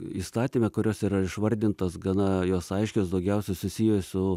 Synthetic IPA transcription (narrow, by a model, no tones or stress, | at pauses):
iːst̪ɑːt̪ʲimʲɛkʊɾʲoːsiːɾɐɪʃʋɐɾʲd̪ʲɪnt̪oːsɡɐnɐjoːsɐɪʃʲkʲoːsd̪ɐʊɡʲɛʊsʲɛsʊsʲiːjoːsʊ